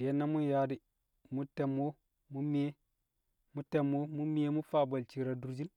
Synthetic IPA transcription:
de˨˦nːa˦mu˦nja˨˦di˦ | mu˦te˨mːo˦ | mu˦mi˦e˦ | mu˦te˨mo˦mu˦mi˦e˦mu˦fa˦˨ba˨lt͡ʃi˨ɾa˨du˨ɾd͡ʒi˦n

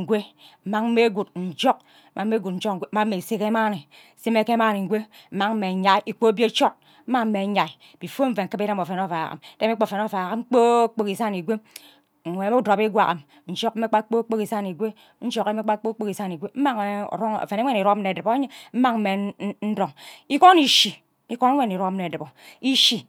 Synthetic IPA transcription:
ɡʷe˦m̩˨˦ma˨ŋ̩˦me˦ɡu˨t̚n̩˨d͡ʒo˦k̩̚˦ | ma˨m̩˦e˦ɡu˨t̚n̩˦d͡ʒo˦k̚ŋ̩˨ɡʷe˦ma˦m̩˦e˨se˦ke˦ma˦ne˨ | se˦me˦ke˦ma˦ne˨ŋ̩˨ɡʷe˦m̩˦ma˨ŋm̩˦me˨ɲa˨˦ʔi˨k͡po˦bje˦t͡ʃo˦t̚ | m̩˦ma˦ŋm̩˦e˨˦ɲa˨i˨ | b̥i˨fo˦ɱ̩˦ve˨ŋ̩˨˦kɨ˦be˦ɾe˦mo˨fe˨no˦˨fa˨ka̰˨m˦de˦m˦e˦k͡po˨fe˨no˦˨va˨ɣa˦ŋ͡m̩˦k͡po˦k͡po˦ki˨sa˦ni˨ɡʷe˦˨ | ŋʷe˨˦me˦u˦do˨bi˦ɡʷa̰˨ka˨m | n̩˦d͡ʒo˦k̩˦e˦k͡pa˦k͡po˦k͡po˦ki˨sa˦ni˨ɡʷe˦ | n̩˦d͡ʒo˦ke˦me˦k͡pa˦k͡po˦k͡po˦ki˨sa˦ni˨ɡʷe˦m̩˦ma˦ŋ̰˨ɾo˦ŋ̰˨fe˨ne˦e˦ni˨ɾo˦mne˨dɨ˨bo˨˦ɲ˦m̩˦ma˦ŋm̩˦me˨˦n̩˦do˨ŋi˦ko˦ni˨ʃi˨ | i˦ko˦ne˦wʷe˦ni˨ɾo˦mne˨dɨ˨bo˨i˦ʃi˨

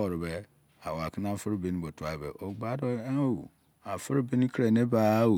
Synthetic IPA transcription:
ɔ˨ɾɪ˨be˦ | a˨wa˨kɪ˦n˦a˦˨fɪ˦ɾbi˦n˦bɔ˨tu˨a˨bḛ˨ʔo˨ɡ͡ba˨˦dɔ˦wṵ˨ | a˨fɪ˦ɾbi˦n˦kʰɾe˨ne˦ba˦wu˨

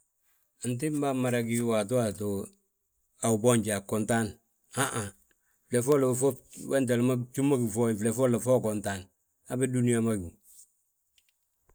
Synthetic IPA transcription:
nt̬ɪ˦m˦ba˦ma˨ɾa˦ki˦wa˨t̬u˦a˨to˨ | a˨u˨bɔ˦ɲɟa˨kɔ˨nta˦n | ha˦ʔa˨ | fle˨fɔ˦la˨fɔ˦wɛ˦nt̬a˨lma˦t͡ʃu˦ma˦ɡi˨fɔ˦i˨fle˨fɔ˦la˨fɔ˦kɔ˨nta˨n | a˦bɛ˦du˦ni˦ja˨˦ma˦ɡu˨

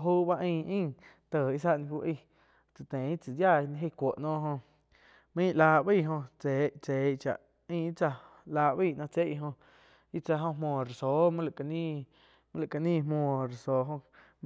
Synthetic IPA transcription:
ɦuː˦ba˦ʔĩː˧ʔĩ˦˨ | t̪əː˨i˦s̬a˦ʔnĩ˧ku˧ʔi˧ | t͡sɨ˨t̪ẽ˨i˦t͡sɨ˨d̪ja˦˨˧ñ˧˦ɦe˦˧˨kʷo˨ʔnɔ̃ː˦ɦõ˧ | mĩ˦˧ʔlaː˧ʔbi˦˧˨ɦõ˧t͡seː˨t͡seː˨˦t͡ʃa̰˨ʔ | ĩ˦˧i˦t͡sa˧laː˧ʔbi˦˧˨nãː˧t͡se˦ʔɦõ˧ | i˦t͡sa˧ɦõ˧ɦmõː˧˨ɾe˨soː˨˦mũ˦la˨ka˧nĩ˦ | mə̃˦la˨ka˧nĩː˦˧mõː˧˨ɾe˨soː˨ɦõ˧

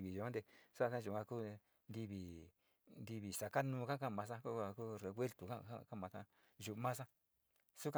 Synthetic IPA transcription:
βi˨ʒu˨ã˦nd̪e˧sa˦˧tã˦ʒu˨kã˧kuː˦˧ | nd̪i˧βi˨ | nd̪i˧βi˨sa˨ka˦nũː˧kã˦˧kã˦˨mã˧sã˦ku˦ka˧ku˦ɾe˧βwe˦lt̪u˨kã̰˦ã̰˦˧ka˦mã˧sã˦ | ʒu˧mã˦sã˦ | su˦ka˧

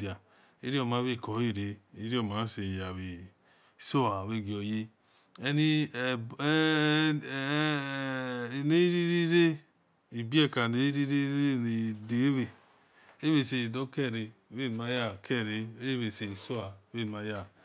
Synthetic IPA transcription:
i˨a˨ | e˦ɾi˦o˦˨ma˨˦βe˦˨kɔ˨˦e˦˨ɾe˨i˦ɾi˦o˦˨ma˨˦se˨ja˨βe˨ | so˦a˨βe˦˨ɡi˨o˨je˦ | ɛ˦ni˦˨˦ | ne˦i˦ɾi˦ɾi˦ɾe˦ | i˨bi˦ɛ˦˨ka˨ne˨˦ɾi˦ɾe˦ne˨de˨˦we˨ | e˦βe˧˨se˨do˦kɛ˦˨ɾe˧˦e˦˨n˨ma˧˦ja˦˨kʰɛ˦˨ɾe˧˦we˨se˨i˨so˦a˨˦be˦˨n˨ma˧˦ja˦˨

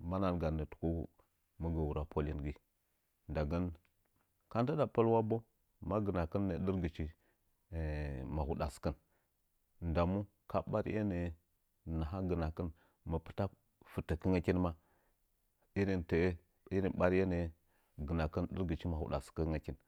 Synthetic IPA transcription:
ma˦na˨nɡa˨nə˨tu̥˨ko˦ | mə˦ɡə˨wu˨ɾa˨pʰo˦li˦nɡi˨ | nda˨ɡə˦n | ka˦nta˦da˨pə˦lwa˦bo˦ | ma˦ɡə˨na˨kə˦nːe˨˦ɗə˦ɾɡə˨t͡ʃi˦˨ | ma˨hu˨ɗa˨skə˦n | nda˨mu˦ | ka˦ɓa˦ɾ̰ʔḛ˦ne˨ | na˨ɦa˦ɡə˨na˨kə˦n | mə˨pə̥˦ta˦ | fu˨tə˨kə˦ŋa˦ki˦nma˦ | i˦ɾi˨nte˨˦ | i˦ɾi˨nɓa˦ɾje˦ne˨˦ | ɡə˨na˨kə˦nɗə̰˦ɾɡə˨t͡ʃi˦ma˨ṵ˨ɗa̰˨skə˦ŋa˨kʲi˦n

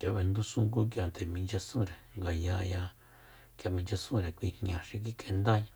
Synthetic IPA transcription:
kja˧βe˧nd̪ũ˦sũ˦ŋku˦k̬ja˧nt̪e˨mĩ˧nd͡ʒa˧sũ˦ɾe˨ŋɡa˨ja˧ja˧ | kʲja˧mĩ˧nd͡ʒa˧sũ˦ɾe˨kʷi˧hɲã˨ʃi˧k̬i˦kʼe˧nd̪a˦ɲã˧

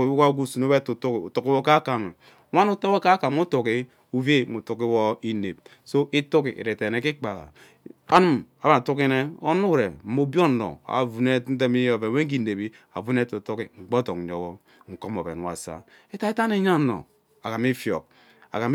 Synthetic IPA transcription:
wka˦ɡu˦˨su˨no˦be˦tu˨tu˦ki˨u˨tu˨ki˦wo˦ka˦ka˨me˨˦ | wa˦nu˦to˦wo˦ka˦ka˨m˦u˦tu˨ki˦ | u˦ve˦mu˨tu˨ki˦wɔ˦i˦ne˨p̚ | so˦i˦tu˦kḭ˨ʔḭ˨ɾe˨te˨ne˨ki˦k͡pa˨la̰˨ | a˦nu˦ma˨ba˦a˨tu˦ki˦ne˦o˦nu˦ɾe˨m̩˦mo˨˦bo˦˨no̰˨a̰˨vu˨ne˦n̩˦te˦mi˦jo˨ve˨we˦i˦ne˨bi˦ | a̰˨vu˦ne˦tu˨tu˦ki˨ŋ͡m̩˨ɡ͡bo˦to˨k̩˨˦o˨ɣɔ˦ | ŋ̩˨ko˦mo˨bḛ˨n˨wa̰˨sa̰˦ | e˦ta˦i˦ta˦ne˦ɲa˦no̰˨ | a̰˨ka˨mi˦fjo̰˨k̚ | a̰˨ka˨m

